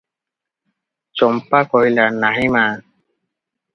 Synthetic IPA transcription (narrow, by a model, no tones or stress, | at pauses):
t͡ʃɔmpakɔɦilanaɦimaːn